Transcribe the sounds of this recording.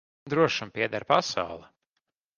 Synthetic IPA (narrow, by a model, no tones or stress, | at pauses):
d̪ɾuɔʃampiɛd̪aɾpasa̰wlˠɛ